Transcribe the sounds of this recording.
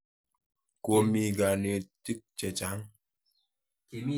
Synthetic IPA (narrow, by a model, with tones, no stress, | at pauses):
ko˨mi˨ɡa˨ne˨ti˦k̚t͡ʃɛ˨t͡ʃa˨˦ŋ